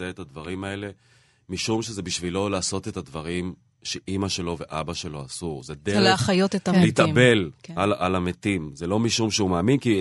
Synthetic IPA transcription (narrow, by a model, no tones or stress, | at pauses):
eet̪advaʁimae̞le̞ | miʃumʃeze̞biʃvilo̞laːso̞t̪e̞tadvaʁim | ʃe̞ʔimaʃe̞lo̞ve̞ʔabaʃe̞lo̞asuʁzed̪eʁaχajot̪etaleit̪abe̞lalʔalamet̪imzelo̞miʃumʃeumaːminki